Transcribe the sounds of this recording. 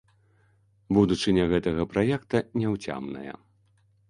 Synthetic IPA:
bud̪ut͡ʂɨnʲɐɣɛt̪ɐɣɐpɾajɛkt̪ɐnʲɛwt͡sʲa̰mnɐ̰jɐ̰

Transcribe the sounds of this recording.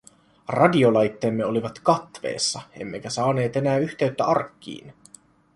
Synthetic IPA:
rɑdio̞lɑjt̪ːe̞ːmːe̞o̞liʋɑt̪kɑt̪ʋe̞̰ːsːɑe̞̰mːe̞k̟æsɑːne̞ːt̪e̞næːyçt̪e̞yt̪ːæɑrkːḭːn

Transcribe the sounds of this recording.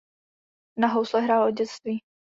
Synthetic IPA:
naɦowslɛɦɾaːlʔoɟɛt͡st̪viː

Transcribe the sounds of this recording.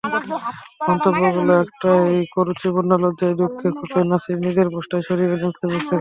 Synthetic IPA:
mɔnt̪obːoɡuloɛk̚ʈaejkoɾut͡ɕibunːalod͡ʑaed̪ukʰːekʰupenasiɾnid̪eɾboʃʈaeʃoɾibelenkʰebukʰːe

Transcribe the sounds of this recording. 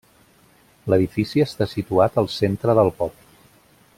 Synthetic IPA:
ləðifisiəst̪asit̪uat̪əlˠsent̪ɾəðəlˠpɔp

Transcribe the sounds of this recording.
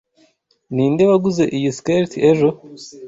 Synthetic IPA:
niːndeβaɡuze̞ʔijiskeɾtieʒo̞

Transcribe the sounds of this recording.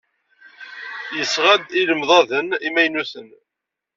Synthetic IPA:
jəsʁæd̪iləmðˤɑðənimæjnuθən

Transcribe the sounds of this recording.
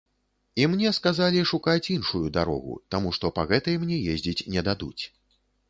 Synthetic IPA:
imnʲɛskazalʲiʂukat͡sʲinʂujud̪aɾɔ̰ɣṵt̪amuʂt̪ɔpaɣɛt̪ɐjmnʲɛjezʲd͡zʲit͡sʲnʲɛd̪ad̪ṵt͡sʲ

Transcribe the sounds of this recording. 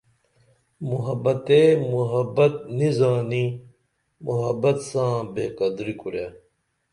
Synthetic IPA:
muɦɐbɐt̪eːmuɦɐbɐt̪̚nizaːni | muɦɐbɐt̪sãːbeːkɐd̪ɾikuɾjaː

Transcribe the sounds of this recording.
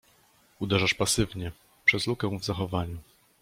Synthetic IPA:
ud̪ɛʐaʂpasɘvɲɛ | pʂɛzlukɛ̃w̃vzaxɔvaɲu

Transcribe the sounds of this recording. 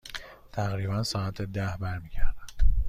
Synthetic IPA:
t̪ʰæɣɾiːbænsɒːæt̪ʰed̪æhbæɾmiːɟæɾd̪̥ænd̥

